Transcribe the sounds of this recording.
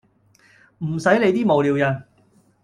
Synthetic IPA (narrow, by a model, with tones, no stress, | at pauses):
m̩˨˩sɐ˨˥jle˨˧jt̪iː˥mo˨wliː˨˧wjɐ˨˩n